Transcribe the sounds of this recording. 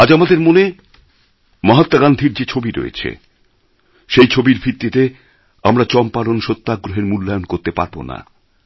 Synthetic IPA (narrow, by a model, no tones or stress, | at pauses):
ad͡ʑamad̪eɾmone | maɦat̪ːaɡand̪ʱiɾd͡ʑet͡ɕʰobiɾo̰jḛt͡ɕʰḛ | ʃejt͡ɕʰobiɾbʱit̪ːit̪e | amɾat͡ɕɔmpalonʃot̪ːaɡɾoɦeɾmulːajonkoɾt̪epa̰ɾbo̰na̰